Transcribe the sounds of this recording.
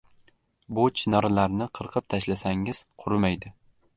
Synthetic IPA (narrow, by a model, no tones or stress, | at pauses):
bʊt͡ʃʰɪnɒɾalaɾnɪqʰɨɾqʰɨp̚t̪ʰaʃlasaŋɪz̥qʰʊɾmajd̪ɪ